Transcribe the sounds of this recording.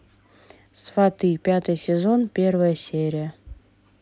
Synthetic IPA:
svɐt̪ɨpʲat̪ɨjsʲɪzo̞npʲe̞rvəjəsʲeɾʲɪjə

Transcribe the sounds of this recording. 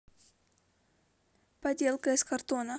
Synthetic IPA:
pɐdʲe̞lˠkəɪskɐrt̪o̞nə

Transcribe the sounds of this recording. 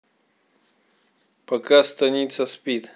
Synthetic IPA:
pɐkast̪ɐnʲit̪səspʲit̪

